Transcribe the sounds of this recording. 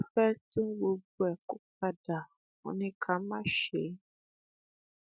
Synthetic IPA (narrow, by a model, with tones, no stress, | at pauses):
fɛ˦tũ˦ɡ͡bo˧bu˦ɛ˨ku˦k͡p̚a˦da˨ | ɔ̰˨nĩ˦kʰa˨˦mã˦ʃe˨˦